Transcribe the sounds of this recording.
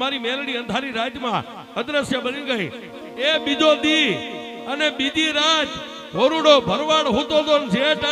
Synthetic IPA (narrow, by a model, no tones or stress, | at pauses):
maɾimelɽiə̃nd̪ʱaɾiɾaːd͡ʒjmã̰ | əd̪ɾəsjəbəniɡəɦḭ̃ | eɓid͡ʒod̪i | əneɓid̪ʱiɾad͡ʒ | ɦoɾuɽobʱəɾʋaɽɦut̪od̪ond͡ʒʱeʈ